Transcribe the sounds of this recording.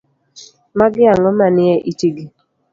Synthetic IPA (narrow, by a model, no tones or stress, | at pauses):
maɡɪaŋɔmanɪɛʔitiɡi